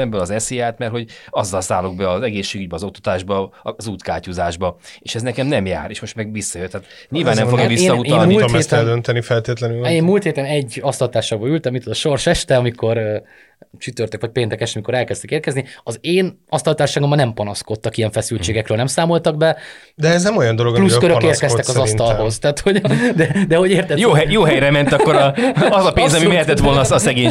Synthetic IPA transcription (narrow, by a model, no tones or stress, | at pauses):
ɛbølɒzɛsejaːt̪mɛrt̪ho̞ɟɒzːɒlsaːloɡ̚bɛɒzɛɡeːsʃːeːɡyɟ̚ʲbɛɒzo̞k̚t̪ɔ̥t̪aːʒbɒzuːt̪kaːcuzaːʒbɒeːʃɛznɛkɛmnɛmja̰ːɾeːʃmo̞ʃt̪mɛɡʋisːɒjøt̪ːɛaːt̪ | ɲilvaːnɛmfoɡjvisesːnːɒut̪ːɔnmilt̪mɛːst̪ɛld̪ønt̪ɛnifɛlt̪eːt̪lɛnyleːmmuːlt̪heːt̪ɛnɛɟːɒst̪ɒlt̪aːʃaːɡboylt̪ɛmːit̪od̪ɒʃo̞rʃɛʃt̪ɛɒmikʰo̞r | t͡ʃyt̪ørt̪økʋɒc̚peːnt̪ɛkɛʃt̪miko̞ɾɛlkɛst̪ɛkeːrkɛzniɒzeːn | ɒst̪ɒlt̪aːʃaːɡombanɛmpɒnɒsko̞t̪ːɒkijɛɱfɛsylt͡ʃeːɡɛkrøːlnɛmsaːmo̞lt̪ɒɡ̚bɛ | d̪ɛɛznɛmojɒnd̪oloɡluskøɾøkeːrkɛst̪ɛkɒzɒsnɒlho̞zt̪aːt̪ho̞ɟd̪ɛd̪ɛɦo̞ɟeːrt̪ɛtjoːɦɛjoːɦɛjɾɛmɛnɒkkːoɾɒzɒpeːnzɒmimɛɛt̪ɛt̪ʋo̞lnɒsɛɡeː